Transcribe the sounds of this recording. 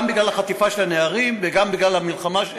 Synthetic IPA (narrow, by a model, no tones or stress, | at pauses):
mbiɡlalhaχat̪ifaʃelaneaʁimveɡambiɡlalamilχama